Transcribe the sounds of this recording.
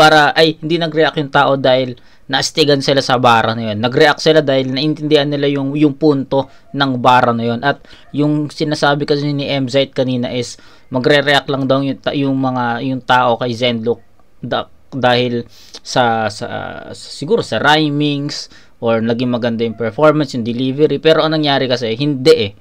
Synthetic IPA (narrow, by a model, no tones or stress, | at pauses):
paːɾɐʔɐjhɪnd̪inɐɡɾɛʔakjʊŋt̪aːʔo̞d̪aːhɪl | nɐʔɪst̪ɪɡɐnsɪlasɐbaːɾɐnɐjo̞nːɐɡɾɛʔak̪̚sɪlad̪aːhɪlnɐʔɪnt̪ɪnd̪ɪhɐnːɪlajʊŋjʊŋpunt̪o̞ | nɐŋbaːɾɐnɐjo̞nʔɐt̪̚ | jʊŋsɪnaːsaːbɪkɐsnɪʔɛmzajt̪̚kɐniːnɐ̰ʔɪs | mɐɡɾɛɾɛʔak̚lɐŋd̪ɐwjʊt̪ajʊŋmɐŋajʊŋt̪aːʔo̞kɐjzɛnd̪lʊk̚ | d̪ɐ | d̪aːhɪl | sɐsɐ̰ssɪɡuːɾo̞sɐɾajmɪŋs | ʔoɹnɐɡiŋmɐɡɐnd̪ajʊŋpɛɹfoɹmɐnsjʊŋd̪ɪliːvɛɾipɛːɾo̞ʔɐŋnɐŋjaːɾɪkɐs̬ɛɦɪnd̪ɛʔɛ